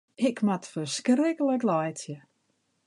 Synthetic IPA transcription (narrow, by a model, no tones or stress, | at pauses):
ɪkmatfərskrɪkələklɔjtjə